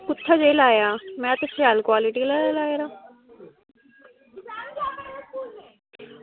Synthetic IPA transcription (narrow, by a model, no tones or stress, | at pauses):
kʊt̪ʰːad͡ʒeːlaːjaːmɛ̃ːt̪esɾɪaːlkwaːlɪʈiːlalaːeɾaː